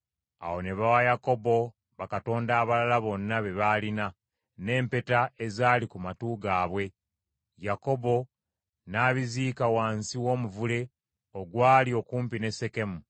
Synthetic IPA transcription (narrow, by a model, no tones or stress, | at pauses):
a̰wo̞ne̞βawajako̞bo̞ | βakato̞ːndaːβalalaβo̞nːaβe̞βaːlina | ne̞ːmpe̞tae̞zaːlikumatuɡaːβwe̞ | jako̞bo̞ | naːβiziːkawaːnsiwo̞ːmuvule̞ | oɡwaːlio̞kuːmpine̞se̞ke̞mu